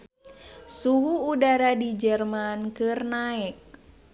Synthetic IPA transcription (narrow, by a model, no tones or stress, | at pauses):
suɦuːdaɾadid͡ʒɛrmankɨrnaɛk̚